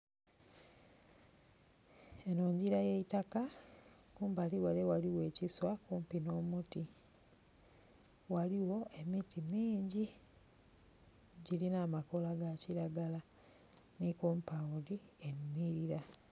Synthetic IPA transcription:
enoːɲɟiɾajeitaka | kuːmbaliwalewaliwe̞ːciswakuːmpino̞ːmuti | waliwo̞ʔe̞mitimiːɲɟi | ɟilinaːmako̞laɡaciɾaɡala | nikuːmpaudienːiɾiɾa

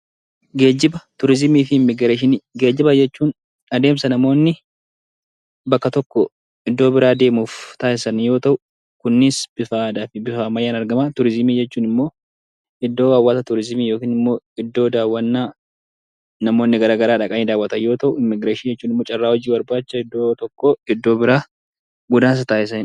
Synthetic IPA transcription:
ɡe̞ːd͡ʒɪbɐt̪ʊɾɪzɪmiːfɪɪmːɪɡɾʃɪnɡe̞ːd͡ʒɪbɐd͡ʒɛt͡ʃːuːn | ɐd̪e̞ːmsɐnɐmo̞ːnːɪ | bɐkːɐt̪ɔkːɔ | ɪd̪ːoːbɪɾaːd̪e̞ːmuːft̪aːɪsɐnjo̞ːt̪ɐʔʊ | kʊnːɪsbɪfaːd̪aːfɪbɪfaːmɐjːaːnɐɾɡɐmaːt̪ʊɾɪzɪmiːd͡ʒɛt͡ʃːuːnɪmːo̞ː | ʔɪd̪ːo̞ːwaːwːat̪ɐt̪ʊɾɪzɪmiːjo̞ːkiːnɪmːo̞ːɪd̪ːo̞ːd̪aːwːɐnːaː | nɐmo̞ːnːɪɡɐɾaːɡɐɾaːᶑɐkʼɐniːd̪aːwːɐt̪ɐjjo̞ːt̪ɐʔʊɪmːɪɡɾeːʃiːd͡ʒɛt͡ʃːuːnɪmːoːt͡ʃʼɐrːaːhɔd͡ʒiːbɐɾbaːt͡ʃːɐɪd̪ːoːt̪ɔkːoɪd̪ːo̞ːbɪɾaː | ɡʊd̪aːns̬ɐt̪aːʔɪsɐnɪ

